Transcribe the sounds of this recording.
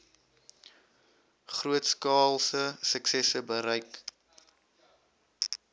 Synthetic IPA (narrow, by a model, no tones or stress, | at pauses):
χruətskɑːlˠsəsəksɛsəbəɾəjk